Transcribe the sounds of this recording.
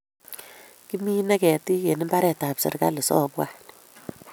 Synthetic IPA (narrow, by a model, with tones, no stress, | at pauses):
ki˦mi˦na˦kɛ˨ti˦ke˨nɪ˦mba˦ɾɛ˨ta˨psɪ̰˨rka˦lɪ˨sɔ̰˦bwa˦